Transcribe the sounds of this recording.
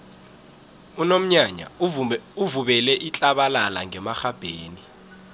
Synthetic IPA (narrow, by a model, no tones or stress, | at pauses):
unom̩ɲaɲa̰uvuɓɛlɛʔit͡ɬʼaɓalala̰ŋɛmaxab̥ʱeːni